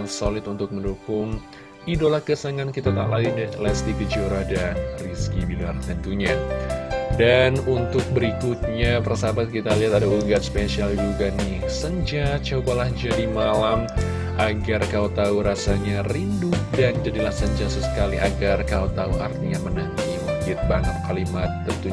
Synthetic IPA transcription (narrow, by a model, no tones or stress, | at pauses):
solɪt̪unt̪ʊk̚məndukʊŋ | idolahkəsaŋankit̪at̪aladidlɛst̪ikəd͡ʒuɾadanriskibilart̪ənt̪uɲa | danunt̪ʊk̚bəɾikʊt̪̚ɲapərsabat̪̚kit̪aliɦat̪adauləŋɡat̪speʃiald͡ʒuɡanɪhsəɲd͡ʒat͡ʃobalahd͡ʒadimalam | ʔaɡarkaut̪auɾasaɲarindʊhdand͡ʒadilahsəɲd͡ʒasəsə̥kaliʔaɡarkaut̪auʔa̰rt̪iɲamənaŋkimukɪt̪̚baŋət̪̚kalimat̪ːənt̪u